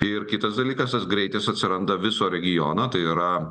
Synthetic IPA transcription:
ɪrkʲɪt̪ɐsd̪ɐlʲiːkɐst̪ɐsɡɾʲɛɪt̪ʲɛsɐt̪ʲsʲɪɾɐnd̪ɐʋʲɪsoːɾʲɛɡʲɪjɔːnɐt̪ɐɪiɾɐ

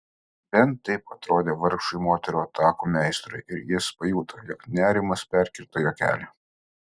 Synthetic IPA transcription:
bʲɛnt̪ːɐɪpɐt̪ɾoːd̪ʲeːʋɐɾkʃʊɪmoːt̪ʲɛɾuːɐt̪ʰɑːkuːmʲɛˑɪst̪ɾʊɪʔɪɾjɪspɐjuːt̪ʰɐjɔknʲæːɾʲɪmɐspʲæɾʲkʲɪɾt̪ɐjoːkʲæ̰ːlʲɛ

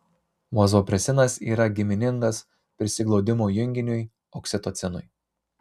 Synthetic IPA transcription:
ʋozoːpʲɾʲɛsʲɪnɐsiːɾɐɡʲɪmʲɪnʲɪŋɡɐs | pʲɾʲɪsʲɪɡlˠɒʊd̪ʲɪmoːjʊŋʲɡʲɪnʲʊj | oːksʲɪt̪oːt̪sʲɛnʊj

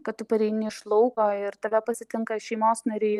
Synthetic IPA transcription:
kɐt̪t̪ʊpɐɾʲɛɪnʲɪʃlˠɔʊkoːɪɾt̪ɐʋʲɛpɐsʲɪt̪ʲɪŋkɐʃʲɛɪmoːsnɐɾʲeː

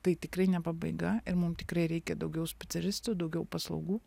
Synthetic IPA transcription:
t̪ɐɪt̪ʲɪkɾɐɪnʲɛpɐbɐɪɡɐɪɾmʊmt̪ʲɪkɾɐɪɾʲɛɪkʲɛd̪ɐʊɡʲɛʊsʲpʲɛt̪sʲɛlʲɪst̪ud̪ɐʊɡʲɛʊpɐslˠɐ̰ʊɡuː

